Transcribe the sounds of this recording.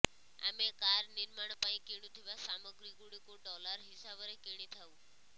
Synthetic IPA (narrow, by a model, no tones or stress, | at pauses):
a̰mekaɾniɾmaɳ̃paĩkiɽ̃ũt̪ʰiʋasaməɡɾiɡuɽikoɖɔlaɾɦisabɔɾekiɽ̃it̪ʰaũ